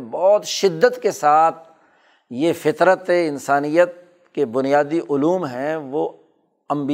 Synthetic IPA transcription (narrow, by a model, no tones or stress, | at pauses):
bɔːt̪ʃɪd̪ːət̪kesaːt̪̚ʰ | jefɪt̪ɾət̪eɪnsaːnijət̪̚ | kebʊnijaːd̪iʔʊluːmɦɛ̃ʋo | ɐ̃mbi